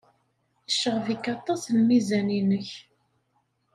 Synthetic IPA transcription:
əʃːəʁvikːɑt̪ˤːɑslmizæninəç

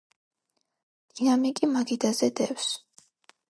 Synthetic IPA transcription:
d̪̥inamikʼimaɡid̪azɛd̪ɛfs

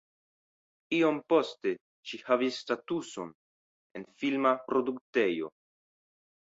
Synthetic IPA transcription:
iompo̞ste̞ | ʃihavisːtatuso̞̰n | e̞̰nfilmapɾo̞dukte̞jo̞̰

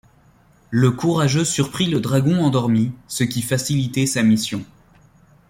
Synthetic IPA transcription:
ləkuʁaʒøsyʁpχiləd̪ʁaɡɔ̃ɑ̃d̪ɔʁmisəkʲifasilit̪ɛsamisjɔ̃

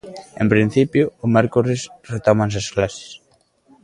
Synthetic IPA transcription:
empɾin̟θipjʊːmɛɾkuɾesret̪omãŋs̬esklase̥s

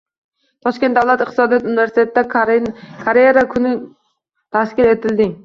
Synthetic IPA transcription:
t̪ʰɒʃkʲe̞nt̪d̪awlat̪ɪq̚t̪ɪsɒd̪ijɔt̪unɪve̞ɾsɪt̪et̪̚ʰɪd̪a | kʰaɾeɾakʰʊnɪ | t̪ʰaskʲɪɾe̞t̪ʰɪld̪ɪŋ

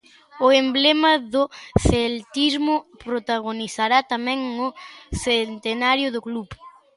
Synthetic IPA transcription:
ʊemblemaðʊθelt̪izmʊpɾot̪aɣ̞oniθaɾat̪amɛ̃ŋʊθent̪enaɾjʊðʊklup

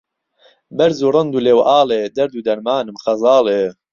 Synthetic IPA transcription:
bɐɾzuːrˤɨnd̪uːleːwʔaːleːd̪ɐɾd̪uːd̪ɐɾmaːnɨmxɐzɑːleː

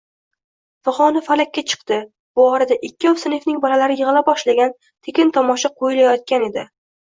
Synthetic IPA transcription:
faχɒnafalakʲːat͡ʃʰɨ̥qt̪ɪ | bʊɒɾad̪aʔɪkʲːɪɒwsɪnefnɪŋbɒlalaɾɪjɨʁɨlˠabɒʃlaɡʲan | t̪ʰekʲɪnt̪ʰɒmɒʃaqʰojɪlajɒt̪̚kʲane̞d̪ɪ

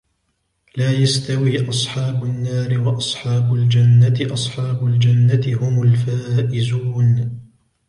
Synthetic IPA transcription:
laːjast̪awiːʔɑsˤħɑːbʊnːaːɾɪwɑʔɑsˤħɑːbʊld͡ʒanːat̪ɪʔɑsˤħɑːbʊld͡ʒanːat̪ɪhʊmʊlfaːʔɪzuːn

